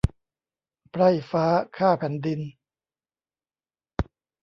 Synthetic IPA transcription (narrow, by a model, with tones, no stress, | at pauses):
pʰɾa˧˩jfaː˦˥kʰaː˥˩pʰɛː˨˩˦ndi˧n